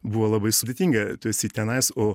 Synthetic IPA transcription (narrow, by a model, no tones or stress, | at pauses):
buʋolˠɐbɐɪsʊdʲeːt̪ʲiːŋɡɐt̪osʲiːt̪ʲɛnɐɪsoː